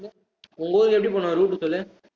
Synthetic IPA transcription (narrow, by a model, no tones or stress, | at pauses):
ʊŋɡɐʋoːɾɯkɛpːɐɽipoːɳːãːɾuːʈːɯsɔlːẽ